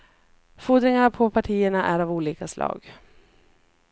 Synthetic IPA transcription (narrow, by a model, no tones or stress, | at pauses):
fuːd̪ɾɪŋaapʰɔpʰaʈʰiːəɳaʔæɾavuːliːkaslɑ̰ːɡ